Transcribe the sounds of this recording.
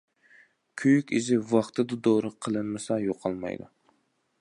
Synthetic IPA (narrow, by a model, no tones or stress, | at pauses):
kʲʰyjykʲizɪvɑχt̪ʰɨd̪ud̪oɾɨqʰəlˠɨnmɨsɑjoqʰːɑlˠmɑ̰jd̪ṵ